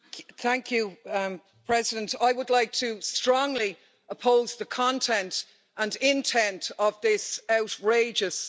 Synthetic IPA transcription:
θæ̃ŋkʰjʉ | pʰɹ̥ɛzɪdə̃ntaɪwədlaɪk̚tʰəstɹ̥ɔ̃ŋli | əpʰoʊzðəkʰɒ̃ntʰɛ̃nt | ə̃nɪ̃ntʰɛ̃ntʰəvðɪsaʊʔɹeɪd͡ʒəs

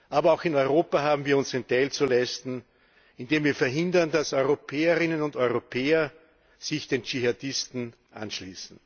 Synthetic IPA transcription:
ʔaːbɐaʊxɪnɔʏʁoːpaɦaːbm̩viːɐʊnsɛɪntɛɪlt͡sulɛɪstn̩ | ɪndeːmviːɐfɛɐɦɪ̃ndɐndasɔʏʁopʰɛːəʁɪnənʊndɔʏʁopʰeːɐ | z̥ɪçd̥eːnt͡ʃiɦadɪstn̩ | ʔa̰nʃliːsn̩

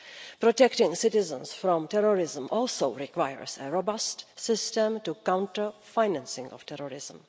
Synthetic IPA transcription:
pɾɔtɛktɪ̃ŋsɪtɪzə̃nsfɾɔ̃mtɛɾɔɹɪzmɔːlsoʊɹɪkwajə̰ɹsɛɹobastsɪstɛ̃mtukãw̃ntəfajnãnsɪ̃ŋɔ̰ftɛɾɔɹɪzm̩

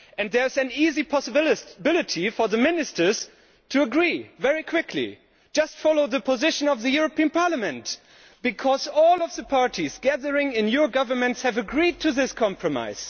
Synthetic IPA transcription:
ɨ̃nðə˞ɨzɨ̃nizipʰɑsɨbbɪlˠɨtʰifə˞ðɨmɪnɨstə˞z̥ | tʰɨəɡɹivɛɹikʰw̥ɪkʰlḭ̥ | d͡ʒ̥ʌstfɑlˠoʊðəpʰəzɪʃɨ̃nʌvðɨjʊɹɨpʰiɨ̃npʰɑɹləmɨ̃nt | b̥ɨkʰɔzɔlˠʌvðəpʰɑɹɾizɡæðə˞ɪ̃ŋɪ̃njə˞ɡʌvə˞mɨ̃ntshɨvɨɡɹid̚tʰɨðɪskʰɑ̃mpʰɹɨma̰ɪz̥

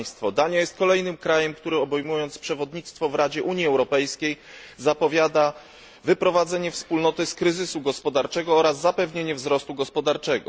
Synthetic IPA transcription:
jst̪fɔd̪aɲajɛst̪kɔlɛjnɘmkɾajɛmkt̪uɾɘɔbɛjmujɔnt̪spʂɛvɔd̪ɲit̪st̪fɔvɾad͡ʑɛʔuɲjiɛwɾɔpɛjskʲej | zapɔvʲjad̪a | vɘpɾɔvad̪zɛɲɛfspulnɔt̪ɘskɾɘzɘsuɡɔspɔd̪aɾt͡ʂɛɡɔɔɾazːapɛvɲeɲɛvzɾɔst̪uɡɔspɔd̪aɾt͡ʂɛɡɔ̰

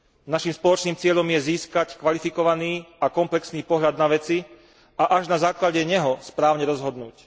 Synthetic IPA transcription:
naʃimspɔlɔt͡ʃniːmt͡sɪɛʎɔmjɛziːskackʋalifikɔʋaniːakɔmplɛksniːpɔɦʎad̪naʋɛt͡si | aʔaʒnazaːklaɟɛɲɛɦɔspɾaːʊɲɛɾɔzɦɔd̪nuːc

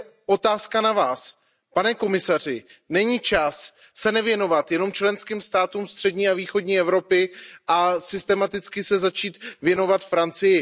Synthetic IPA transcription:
ʔo̞t̪aːskanavaːs | panɛko̞mɪsar̝ɪnɛɲiːt͡ʃasː | ɛnɛvjɛno̞vat̪jɛno̞mt͡ʃlɛnskiːmst̪aːt̪umst̪r̥ɛdɲiːaviːxo̞dɲiːʔɛvɾo̞pɪʔasɪst̪ɛmat̪ɪt͡skɪsɛzat͡ʃiːt̪vjɛno̞vat̪fɾant͡sɪjɪ

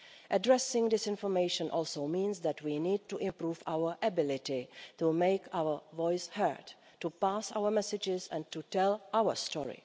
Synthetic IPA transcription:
ʔədɹɛsɪ̃ŋd̪ɪsɪ̃nfɔɹmeɪʃə̃nʔɔlˠsoʊmĩːnsðætwiniːd̚tuʔɪ̃mpɹuːfawə˞ʔəbɪlɪtɪtumeɪkawə˞vɔɪshə̰˞d | tupasa̰ʊwəmɛsɪd͡ʒɪzɛ̰̃ntutɛlʔawə̰stʰɔ̰ɹḭ

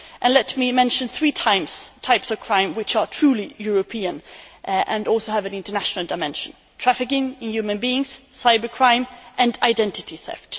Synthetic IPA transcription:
ʔɨ̃nlɛtmimɛ̃nʃɨ̃nθɹitʰãɪ̃mz̥tʰaɪpsʌv̥kʰɹ̥ãɪ̃mwɪt͡ʃə˞tʰɹ̥ʉlijʊɹəpʰiɨ̃nʔʔɨ̃nɔlˠsoʊɨvɨ̃nɪ̃ntə˞næʃnəl̩ˠdaɪmɛ̃nʃə̃n̩ | tʰɹ̥æfɨkɪ̃ŋɪ̃njʉmɨ̃nbiɪ̃ŋz̥saɪbə˞kʰɹ̥ãɪ̃mʔɨ̃ndaɪdɛ̃ntɨtiθɛ̰ft

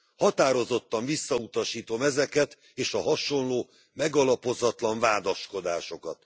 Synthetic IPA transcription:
hɒt̪aːɾo̞zo̞t̪ːɒɱvisːɒut̪ɒʃiːt̪o̞mɛzɛkɛt̪ | eːʃɒɦɒʃo̞nloː | mɛɡɒlɒpo̞zɒt̪lɒɱvaːd̪ɒʃko̞d̪aːʃo̞kɒt̪̚

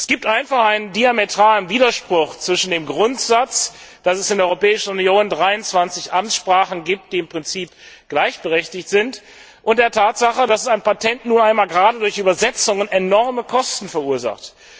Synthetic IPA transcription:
ʔɛ̥sɡ̥iːp̚tʔaɪnfaχʔaɪnəndiametʁ̥aːlənviːdɐʃpʁ̥ʊχt͡sv̥ɪʃn̩deːmɡʁʊntz̥at͡sd̥asɛsɪndeɐɔʏʁopɛːɪʃn̩ʊnjoːndʁaɪʊnt͡sv̥ant͡sɪçʔamtsʃpʁ̥aːχn̩ɡiːp̚t̚d̥iːɪmpʁ̥ɪnt͡siːpɡ̥laɪçb̥əʁɛçtɪçtz̥ɪnt | ʔʊnt̚d̥eːɐtʰaːtz̥aχədasɛsaɪnpatʰɛntnuːnʔaɪnmaːlɡəʁaːdədʊɐçʔyːbɐzɛt͡sʊŋənenɔʁməkʰɔstn̩fɛɐuːɐza̰χt

